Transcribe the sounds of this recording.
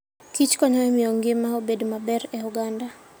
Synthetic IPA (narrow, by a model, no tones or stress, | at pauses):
kit͡ʃkɔɲaɛmiɔŋɡemaɔbɛdmabɛɾɛuɡanda